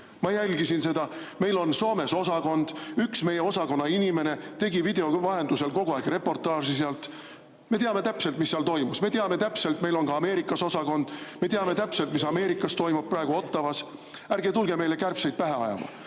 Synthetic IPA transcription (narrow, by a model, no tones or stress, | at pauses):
mɑjælʲɡisinse̞d̪ɑme̞jlo̞nso̞ːme̞so̞sɑko̞nd̪̥yksme̞jeo̞sɑko̞nːɑinʲime̞ne̞t̪e̞ɡivid̪̥e̞o̞vɑɦe̞nd̪̥use̞lko̞ɡuɑeɡ̥re̞pːo̞rt̪ːˑɑːʐis̬eɑlt̪ | me̞t̪eɑme̞t̪æpse̞lt̪misːeɑlt̪o̞jmusme̞t̪eɑme̞t̪æpse̞lt̪ˑme̞jlo̞nɡɑːme̞ːɾikːˑɑso̞sɑko̞nd̪̥me̞t̪eɑme̞t̪æpse̞lt̪misɑme̞ːɾikːˑɑst̪o̞jmub̥̚pːrɑeɡ̥uo̞t̪ːˑɑvɑsæɾɡet̪ulɡe̞me̞jle̞kærpse̞jd̪t̪̚pæɦe̞ɑjɑ̰mɑ̰